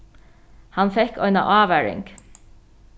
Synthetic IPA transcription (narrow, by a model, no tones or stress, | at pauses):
hɑnfɛkœʏnɑ̰ʔɑːʋæɹɪ̰ŋɡ